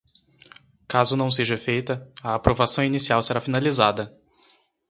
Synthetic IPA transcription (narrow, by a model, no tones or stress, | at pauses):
kazʊnɐ̃w̃seʒɐfejt̪ɐɐːpɾovasɐ̃w̃inisiawseɾafinalizad̪ɐ